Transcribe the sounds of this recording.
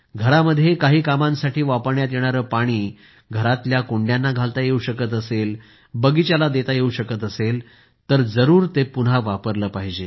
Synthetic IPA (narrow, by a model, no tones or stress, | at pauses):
ɡʱəɾaməd̪ʱːjekaɦiːkamãnsaʈʰiːʋapəɾɳjat̪jeɽ̃aɾəːpaɽ̃iː | ɡʱəɾat̪ljakoɳɖjanːaɡʱalt̪ajeuɕəkət̪̬əsel | bəɡit͡ɕjalad̪et̪ajeuɕəkət̪əsel | t̪əɾd͡zəɾuːɾt̪epunɦaʋapəɾləːpaɦid͡ʑe